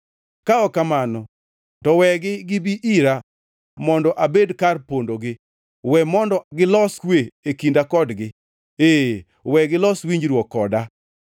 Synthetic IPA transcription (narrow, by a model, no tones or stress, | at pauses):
kaɔkamanɔ | tɔwɛɡɪɡɪbiʔiɾa | mɔndɔʔabedkarpondoɡɪ | wɛmɔndɔɡɪlɔskweekindakɔdɡɪ | e | wɛɡɪlɔswiɲd͡ʒɾwɔkːɔda